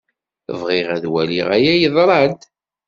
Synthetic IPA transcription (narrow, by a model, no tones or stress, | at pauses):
əvʁɪʁæðwæ̰lḭʁæjæjəðˤɾˤɑnt̪